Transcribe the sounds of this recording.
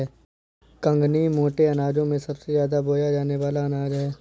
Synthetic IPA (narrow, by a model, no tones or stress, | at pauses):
ɛː | kɐ̃ŋɡnimoːʈeɐnaːd͡ʒõmẽsɐbsezjaːd̪aboːjad͡ʒaːneʋaːlaɐnaːd͡ʒɦɛː